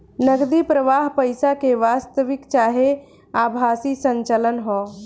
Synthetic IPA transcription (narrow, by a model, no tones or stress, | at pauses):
nəɡd̪ipɾəʋaːɦpəjsakeʋaːst̪əʋɪkt͡ʃaːɦe | aːbʱaːsisə̃ɲt͡ʃələnɦɔː